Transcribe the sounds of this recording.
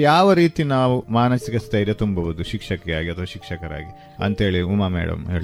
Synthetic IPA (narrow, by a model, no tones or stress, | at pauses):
jaːʋɐɾiːt̪inaːʋumaːnɐsikɐst̪ɐjɾjɐt̪umbɐʋud̪uʃikʂɐkːɐjaːɡiɐt̪ʰɐʋaːʃikʂɐkɐɾa̰ːɡi | ɐ̰nt̪e̞ːɭiumaːmɛ̰ːɽɐ̰mɦḛːɭi